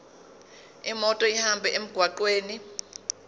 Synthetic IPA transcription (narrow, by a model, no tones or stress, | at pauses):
imɔtʼɔihambʱɛʔem̩ɡ̥ʱwaǃweːni